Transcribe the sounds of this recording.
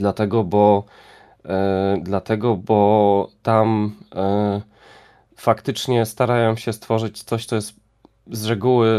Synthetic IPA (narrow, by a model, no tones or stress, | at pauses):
d̪lat̪ɛɡɔbɔ | d̪lat̪ɛɡɔbɔt̪am | fakt̪ɘt͡ʂɲɛst̪aɾajɔmɕɛst̪fɔʐɘt͡ɕt̪sɔɕt̪sɔjɛst̪ | zɾɛɡuwɘ